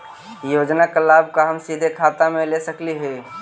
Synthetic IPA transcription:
joːd͡ʒnakəlaːbkaɦəmsid̪ʱekʰaːt̪amẽlesəkliɦɛː

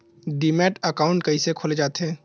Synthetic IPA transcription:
ɖimɛːʈəkaːʊ̃ɳʈkəisekʰoːled͡ʒaːt̪eɛ̃ː

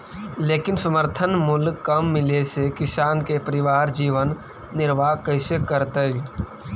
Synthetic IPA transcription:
leːkɪnsəməɾt̪ʰənmʊlɡkəmːɪlesekɪsaːnkepəɾɪʋaːɾd͡ʒiːʋənː | ɪɾʋaːkəɪsekəɾt̪e

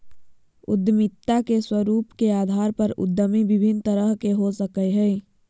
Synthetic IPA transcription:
ʊ̰d̪mɪt̪ːakeswəɾuːpkeaːd̪ʱaːɾpəɾʊ̰d̪ːəmibɪbʱɪnt̪əɾəɦkeɦosəkəeɦɛː

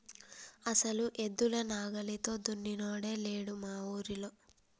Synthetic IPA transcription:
ɐsɐluʔe̞d̪ːulɐnaːɡɐlit̪o̞ːd̪unːinoːɽe̞ːle̞ːɽumaːwuːɾilo̞ː

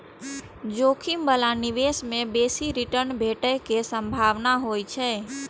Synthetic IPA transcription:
d͡ʒoːkʰimbəlanɪʋesmẽbeːsiɾiʈəɾnbʱeːʈəkesəmbʱaːʋnaɦoːit͡ʃʰɛː

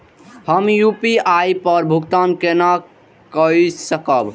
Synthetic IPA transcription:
həmjupiajpəɾbʱukt̪ankena | kəisəkəb

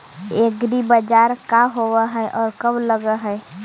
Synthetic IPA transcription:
eɡɾibəd͡ʒaːɾkaɦowaɦɛɛʔɔːɾkəbləɡəɦɛ

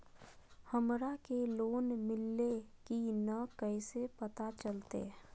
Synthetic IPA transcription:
həmɾakeloːnmɪlːekinəkəɪsepət̪at͡ʃəlt̪ḛ

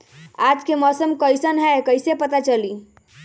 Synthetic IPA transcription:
ad͡ʒkemɔːsəmkəjsənɦɛkəɪsepət̪at͡ʃəli

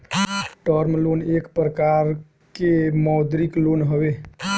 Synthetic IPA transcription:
ʈəɾmlonekpɾəkaɾ | kemɔwd̪ɾiklonɦəbe

